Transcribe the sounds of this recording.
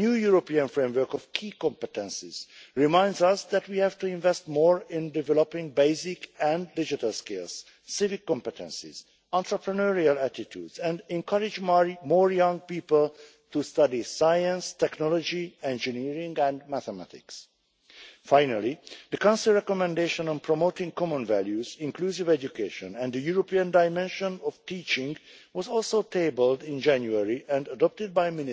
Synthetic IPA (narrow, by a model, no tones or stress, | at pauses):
njuːjuɹopiə̃nfɹẽmwə˞kɔv̥kʰiːkɔ̃mpɛtɛ̃nsɪz̥ɹimãɪ̃ndzʌsd̪ætwiːhævtuɪ̃ɱvɛst̚mɔːɹɪ̃ndɪvɛlopɪ̃ŋbeɪsɪkæ̃ndɪd͡ʒitalskelz̥ː | ɪvɪkːɔ̃mpɛtɛ̰̃nsɪ̰z̥ | ãntɹəpɹənəɹialætitʰjṵdzɛ̃ndɛ̃ŋkʰʌɹɪd͡ʒmoːɹjʌ̃ŋ̚piːpəl | tustʌdisajə̃nstɛknɔlɔd͡ʒiɛ̃nd͡ʒiniːɹɪ̃ŋɡɛ̃ndmæθɛmætɪ̰ks | fãɪnalid̪əkãʊ̃nsilɹɛkɔmɛ̃ndeʃɔ̃nɔ̃mpʰɹɔmoːtɪ̃ŋkɔmɔ̃nvæljuzɪ̃ŋkluːsivɛd͡ʒukeːʃɔ̃nɛ̃nd̪əjuɹopiə̃ndajmɛ̃nʃɔ̃nɔvtiːt͡ʃɪ̃ŋɡ | wɔzɔlˠsoːt̪ʰeːbəldɪ̃nd͡ʒæ̃njuɛɹiʔɛ̃ndədɔp̚tɪd̚bajmɪn